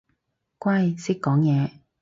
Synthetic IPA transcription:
kwɐ˥jsɪ˥kːɔː˨˥ŋjɛː˨˧

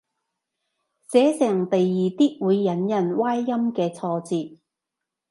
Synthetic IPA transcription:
t͡sɛː˨˥sɛː˨˩ŋt̪ɐ˨jːiː˨t̪iː˥t̚wuː˨˧jːɐ˨˥njɐ˨˩nwaː˥jːɐ˥mkɛː˧t͡sʰɔː˧t͡siː˨t̚

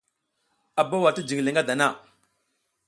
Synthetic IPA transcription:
a˨ba˦wa˨ti˦d͡ʒi˨ɡli˨ŋɡa˦da˨na˦˨

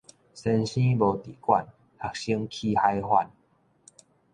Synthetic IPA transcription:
sə˧nɕĩ˦bo˧˩t̪i˨kwa̰˥˧˨n | ha˨k̚ɕi˦ŋkʰi˧ha˦jhwa˧˨n

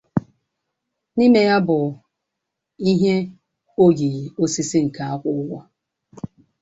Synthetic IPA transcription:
ni˦me˦ja˦bʊ˨ | i˦ɦe˦ | o˦ɡi˨ɣo˦si˦si˦ŋ̩˨ka˨a˦kʷʊ˦wɔ˦

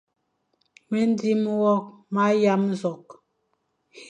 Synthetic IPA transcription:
me˦n˦di˦m˦wɔ˦k̚ma˦ja˦m̩˦zɔ˨k̚ | h

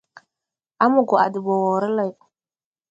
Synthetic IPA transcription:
a˦mu˨ɡɔ˨a̰˨di˨bɔ˨wɔ˨ɾə˦la˦˨j

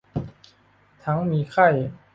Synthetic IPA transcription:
t̪ʰa˨˦˥ŋmi˧˥kʰa˥˩j

